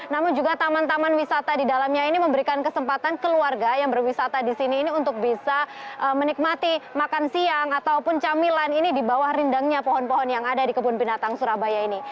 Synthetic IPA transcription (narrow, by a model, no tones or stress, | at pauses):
namʊnd͡ʒuɡat̪amant̪amanwisat̪adidalamɲainiməmbəɾikankəsəmpat̪ankəluarɡajaŋbərwisat̪adisiniːniunt̪ʊk̚bisaʔəmənik̚mat̪imakansiaŋat̪awpʊnt͡ʃamilaninidibawahrindaŋɲapɔɦɔnpɔɦɔnjaŋadadikəbʊnpinat̪aŋsuɾabajaini